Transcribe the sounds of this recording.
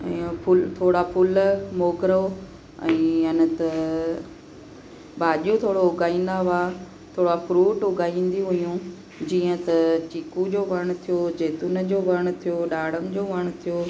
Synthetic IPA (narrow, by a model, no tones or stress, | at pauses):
ɛ̃ːpʊlt̪ʰoːɽapʰʊlmoːɡɾo | ɛ̰̃ːɐnə̆t̪ɐ | baːʄũt̪ʰoːɽoʊɡaːĩːn̆d̪aʋaː | t̪ʰoːɽafɾuːʈʊɡʱaːĩːn̆d̪iɦʊjũ | d͡ʑiːə̃t̪ɐt͡ɕiːkud͡ʑoːʋɐɽ̃t̪ʰijoːd͡ʑeːt̪ʊnəd͡ʑoːʋɐɽ̃t̪ʰijoːɗaːɽəmd͡ʑoːʋɐɽ̃t̪ʰijoː